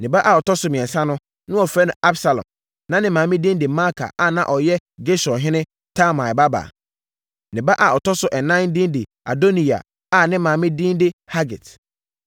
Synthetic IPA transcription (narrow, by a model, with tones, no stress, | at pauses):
nɪ̃˨ba˦ʔa˨ɔ˨tʰɔ˦sʊ˨˦mĩ˨ɛ̃˨nsã˦nʊ̃˦ | nʊ̃˦ɔ˨fɾɛ˦nʊ̃˨ʔa˦bsa˨lɔ̰̃˨m | nã˨˦nɪ̃˦mã˨mɪ̃˦dĩ˦ndɪ˨ma˦kʰa̰˨ʔa˨nã˨ʔɔ˨jɛ˦ɡe˦sɔ˨ɦɪ̃˦nɪ̃˦ | tʰa˦mã˨ɪ˨ba˦ba̰˨ | nɪ̃˨ba˦ʔa˨ɔ˨tʰɔ˦sʊ˨ʔɛ˨nã˦ndĩ˦ndɪ˨ | a̰˨do˦nĩ˨a̰˨ | a˦˨nɪ̃˦mã˨mɪ̃˦dĩ˦ndɪ˦ha˦ɡɪ̰˨t